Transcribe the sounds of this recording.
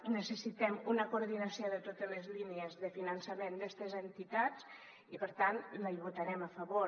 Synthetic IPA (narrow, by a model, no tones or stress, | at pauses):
nəsəsit̪ɛmunəkuɾð̞inəsioðət̪ot̪ələzliniəzðəfinənsəmend̪ɛst̪əzənt̪it̪at͡s | ipəɾt̪anləʎβut̪aɾɛməfəβo